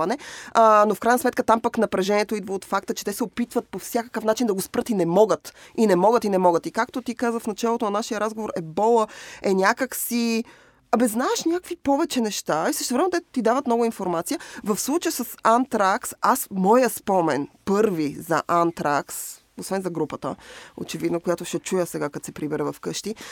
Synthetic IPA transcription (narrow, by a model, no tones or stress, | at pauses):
ɐnɛənofkɾajnsmɛt̪̚kət̪ampaknɐpɾɛʒɛniɛt̪oid̪vəot̪fak̚t̪ət͡ʃɛ̥t̪ɛsɛopit̪vət̪̚pofsʲjakə̥kəfnat͡ʃind̪ɐɡospɾɤt̪inɛmɔɡət̪inɛmɔɡət̪inɛmɔɡət̪ikakt̪ot̪ikazvəfnɐt͡ʃalˠot̪onɐnaʃijəɾazɡovoɾɛbɔlˠəɛnʲjakəksi | ɐbɛznaɛʃnʲakvipɔvɛt͡ʃɛnɛʃt̪aisəʃt̪ɛvɾɛmɛt̪ɛt̪id̪avət̪mnɔɡʊinfoɾmat̪sijəvɐfslˠut͡ʃəjəsəsant̪ɾaksasmɔjəspɔmɛnpɤɾvizɐ̰ʔant̪ɾaks | osvɛnzɐɡɾupət̪ə̰o̰t͡ʃɛvid̪nokojat̪oʃɛt͡ʃujəsɛɡakat̪sɛpɾibɛɾəvɐfkɤʃt̪i